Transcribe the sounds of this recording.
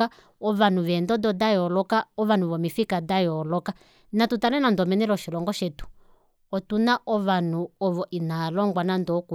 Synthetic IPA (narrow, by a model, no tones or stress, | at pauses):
a | ɔʋanuʋɛndɔdɔdajɔlɔkaɔʋan̤uʋɔmifikadajɔlɔka | natutalɛnandɔmɛnɛlɔʃilɔŋɡɔʃɛtu̥ | ɔtunaʔɔʋanuɔʋɔʔinalɔŋɡwanandɔku